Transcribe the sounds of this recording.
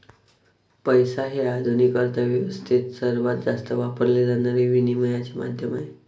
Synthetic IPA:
pəjsaɦead̪ʱunikəɾt̪ʰaʋjəʋəst̪ʰit̪səɾʋat̪̚d͡zast̪əʋapəɾlelanəɾiʋiniməjat͡ɕema̰d̪ʱjəmae

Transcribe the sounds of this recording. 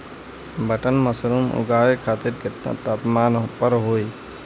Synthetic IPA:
bəʈənməsɾumʊ̰ɡaːʋekʰaːt̪ɪɾket̪t̪aːpmaːnpəɾɦoːi

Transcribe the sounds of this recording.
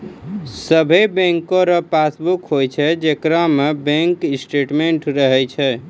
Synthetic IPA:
səbʱebẽŋkoɾəpasbukɦojt͡ʃʰɛd͡ʒekɾamebɛ̃ŋkisʈeʈmeɳʈɾəɦɛjt͡ʃʰɛ

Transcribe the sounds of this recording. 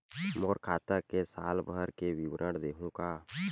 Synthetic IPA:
mɔːɾkʰaːt̪əkesaːlbʱəɾkewiwɾʔəɽd̪eːɦũka

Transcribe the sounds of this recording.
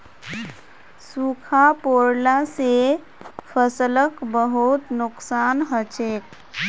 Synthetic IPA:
sukʰapoɾlase | pʰəsələkbəɦut̪nʊksanɦət͡ʃek̚

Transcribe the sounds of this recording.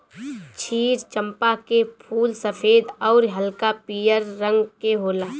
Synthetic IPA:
t͡ʃʰiːɾt͡ʃə̃mpakepʰuːlsəpʰeːd̪ɔːɾɦəlkapijəɾːə̃ŋɡkeɦoːlaː

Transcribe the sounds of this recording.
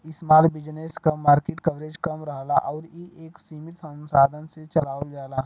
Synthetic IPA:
ɪsmaːlbɪd͡ʒneːskamaːɾkeːʈkɐʋɾeːd͡ʒkɐmɾɐɦla̰ʔɔːɾjeʔeːksiːmɪt̪sə̃nsaːd̪ʱənset͡ʃɐlaːʋəld͡ʒaːlaː

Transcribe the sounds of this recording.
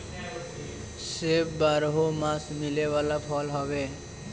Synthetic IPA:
sebbaɾɦomasmilewalapʰʌlɦʌbe

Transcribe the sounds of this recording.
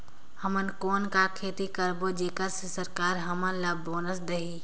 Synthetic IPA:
həmənkoːnkakʰeːt̪ikəɾbod͡ʒeːkəɾssəɾkaːɾɦəmənlaboːnəsd̪əɦiː

